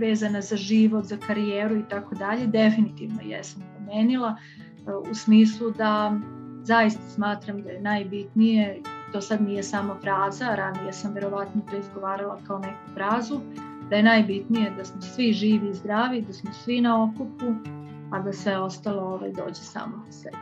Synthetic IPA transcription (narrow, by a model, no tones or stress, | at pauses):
ʋe̞ːzanazaʒiʋo̞t̪zakaɾijeːɾuit̪ako̞d̪aʎe̞d̪e̞finit̪iʋno̰jḛsampɾomeːnilˠa | usmiːslˠud̪azajist̪ḁsmaːt̪ɾamd̪aje̞najbit̪nije̞t̪o̞ːsad̪nijesaːmafɾaːzaɾanijesamʋe̞ɾo̞ʋat̪not̪o̞izɡo̞ʋaːɾalˠakaone̞ku̥fɾaːzu | d̪aje̞najbit̪nije̞d̪asmosʋiʒiːʋiːzd̪ɾaːʋid̪asmosʋinao̞kupu | ad̪asʋe̞o̞st̪alˠo̞oʋa̰jd̪o̞̰ːd͡ʑesa̰ːmoseb